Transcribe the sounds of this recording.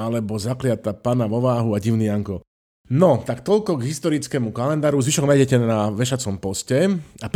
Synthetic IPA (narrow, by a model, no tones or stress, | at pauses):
alɛbɔzaklɪat̪apanaʋɔʋaːɦuaɟiʊniaŋkɔ | nɔt̪akt̪ɔʎkɔɡɦist̪ɔɾit͡skɛːmukalɛnd̪aːɾuzʋiʃɔɡnajɟɛcɛnaʋɛʃat͡sɔmpɔscɛap